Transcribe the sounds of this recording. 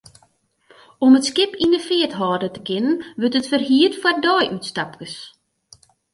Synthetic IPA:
ɔmətskɪpindəfɪətɦɔːdətə̥kɪnənʋøtətfərɦiːətfwar̚dɔːjʔytstap̚kəs

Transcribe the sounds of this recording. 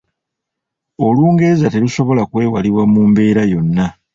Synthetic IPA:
o̞luːŋɡezate̞luso̞βo̞lakwe̞ːwaliβwamuːmbe̞ːɾajo̞nːa

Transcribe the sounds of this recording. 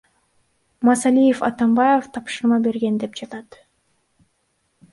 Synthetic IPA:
mɑsɑlijefɑ̰t̪ɑmbɑjeft̪ʰɑpʃɯɾmɑbe̞ɾɡe̞nd̪e̞pd͡ʒɑt̪ɑt̪

